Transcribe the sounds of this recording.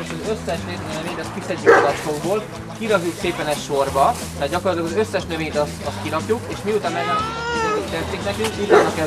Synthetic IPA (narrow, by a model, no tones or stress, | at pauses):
zøsːɛʃɾeːt̪nɛveːt̪ɛskisɛɟːykzɒoɡboːl | kiɾɒzukseːpɛnɛcʃo̞rbɒ | t̪ɛad̪ɟɒkorɒt̪lɒɡɒzøsːɛʃnøveːjt̪ɒst̪ɒst̪̚kiɾɒpjukeːʃmiut̪amɛnːɛkit̪ɛt̪ikt̪ɛt̪t̪ːeknɛkyŋkut̪anukɛ